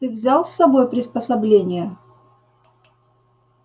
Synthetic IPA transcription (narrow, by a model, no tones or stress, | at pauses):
t̪ɨvzʲalˠsːɐbo̞jpɾʲɪspəsɐblʲenʲɪjə